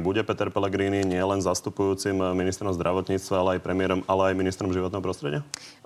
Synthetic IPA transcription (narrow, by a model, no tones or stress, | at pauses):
buɟɛpɛt̪ɛɾpɛlɛɡɾiːniɲɪɛlɛnzast̪upujuːt͡simminist̪ɾɔmzd̪ɾʔaʋɔt̪ɲiːt͡st̪ʋaalɛajpɾɛmɪɛɾɔmalɛajminist̪ɾɔmʒiʋɔt̪nɛɦɔpɾɔst̪ɾɛɟɪa